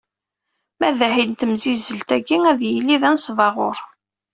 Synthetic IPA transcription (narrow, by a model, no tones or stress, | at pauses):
mæðæhint̪əmzizːəlt̪æɡiæðjilːiðænsvɑʁʊɾ